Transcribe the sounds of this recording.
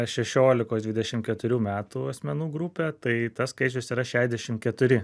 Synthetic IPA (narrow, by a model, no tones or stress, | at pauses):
ʃʲɛʃʲoːlʲɪkoːsd̪ʲʋʲɪd̪ʲɛʃʲɪmkʲɛt̪ʊɾʲuːmʲæːt̪uːɐsʲmʲɛnuːɡɾʊpʲeːt̪ɐɪt̪ɐsskɐɪt͡ʃʲʊsiːɾɐʃʲæːʒʲd̪ʲɛʃʲɪmkʲɛt̪ʊɾʲɪ